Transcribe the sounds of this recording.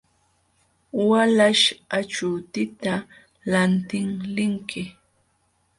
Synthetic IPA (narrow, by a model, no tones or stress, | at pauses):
walaʃat͡ʃʊt̪ɪt̪a | lant̪ɪŋlɪŋkɪ